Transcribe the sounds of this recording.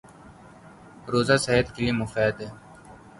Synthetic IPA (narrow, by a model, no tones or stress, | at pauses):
ɾoːzaːsɐɦed̪kiliːmʊfɛːd̪ɛː